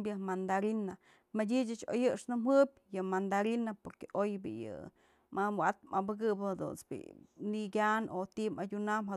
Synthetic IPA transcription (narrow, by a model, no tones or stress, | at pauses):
bjɨmand̪aɾina | madʲit͡ʃɨt͡ʃo̰jɨʂnɨmhɨbʲjɨmand̪aɾinapoɾkeʔojbḭjɨ̰ | mamwat̪̚mabɨɡɨbhad̪ṵnsbḭniɡʲanot̪imadʲunamɦa